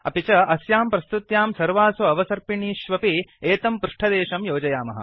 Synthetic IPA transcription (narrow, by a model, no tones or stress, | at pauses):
ɐ̰pit͡ʃɐʔɐsjaːmpɾɐst̪ut̪jaːmsɐɾʋaːsuɐʋɐsɐɾpiɳiːʃʋɐpieːt̪ɐmpɾuʂʈʰɐd̪eːʃɐmjoːd͡ʒɐjaːmɐ̰ɦɐ̰